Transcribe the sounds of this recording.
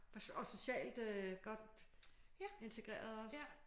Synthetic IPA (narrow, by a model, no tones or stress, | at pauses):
ɒ̽so̝ɕɛ̰ːld̥øɡ̥ɒ̽d̥ | e̝nt͡sʰe̝ɡ̥ʁḛːɐðˠɒs